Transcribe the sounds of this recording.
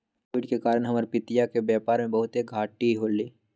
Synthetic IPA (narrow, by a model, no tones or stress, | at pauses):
koʋɪɖkekaːɾəɳɦɐməɾpɪt̪ijakebjɛːpaːɾmẽbɐɦʊt̪eɡʱaːʈiɦoːliː